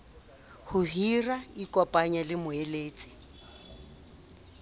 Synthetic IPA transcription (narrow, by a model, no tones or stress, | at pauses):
hʊɦiraikʼɔpʼaɲalɪmʊeleːt͡sʼi̥